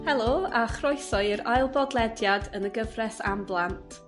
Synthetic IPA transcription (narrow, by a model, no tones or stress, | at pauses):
hɛlˠoːaχrɔjsɔɨɪɾajlˠbɔdlˠɛdjadənəɡəvrɛsa̰mblˠantʰ